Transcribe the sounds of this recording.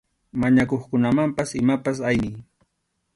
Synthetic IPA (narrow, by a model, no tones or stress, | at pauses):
maɲakoχkʊnamampasɪmapasajnɪj